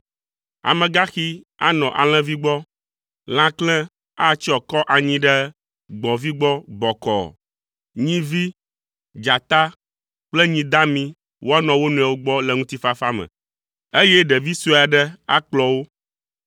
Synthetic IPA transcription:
a̰˨mɛ̃˨ɡa˦xi˦ | a̰˦nɔ̃˨ʔa̰˨l̃ɛ̃˦vi˦ɡ͡bɔ˦ | l̃ã˦klɛ̃˦ | a˦˨t͡ɕi˦ɔ˨kɔ˦ʔa˨ɲĩ˦ɖɛ˦ | ɡ͡bɔ̃˨vi˦ɡ͡bɔ˦ɡ͡bɔ˨kɔ̰˨ | ɲĩ˦vi˦ | d͡ʒa˨t̪a˦ | k͡plɛ˦ɲĩ˦d̪a˦mĩ˦ | wʔo˦a˦nɔ̃˨wo˦nũ˨a˨wo˦ɡ͡bɔ˦lɛ˨ŋũ˦t̪i˦fa˦fa˦mɛ̰̃˨ | e˦jɛ˦ɖɛ˨vi˦su˦a˨ɖɛ˦a˦k͡plɔ˨wo˦

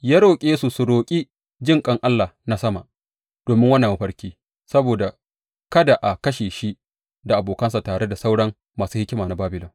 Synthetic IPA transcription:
jaː˦ɽoː˨kʲʼeː˦su˨su˨ɽoː˨kʲʼi˦ | d͡ʒɪ˦ŋkʼɐ˦ŋʔa˦lːaː˨na˦sɐ˦ma̰˨ʔ | d̥oː˨mɪ˦ŋwɐ˦nːa˨mu˦ɸɐ˦ɽkʲiː˦ | sɐ˦boː˨da˨ | kɐ˦da˨ʔa˨kɐ˦ʃeː˨ʃi˦ | da˨ʔa˨boː˨kɐ˦nsa˨taː˨ɽe˦da˨sa˦wɽɐ˦ŋ | maː˨suː˦hɪ˦kʲɪ˦maː˨na˨baː˦bɪ˨lɐ˨

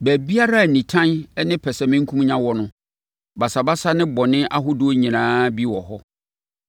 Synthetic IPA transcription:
bæ˨bi˦a˦ɾa˦˨nĩ˨tʰã˦nɛ˦nɪ̃˦pʰɛ˨sɛ˨mɪ̃˦ŋ̩˦kʰũ˦m˦ɲã˦wɔ˦nʊ̃˦ | ba˨sa˨ba˦sa˦nɪ̃˦bɔ˨nɪ̃˦ʔa˦ɦʊ˦dʊ˦ɲĩ˨nãː˦bi˦wɔ˨ɦɔ˦

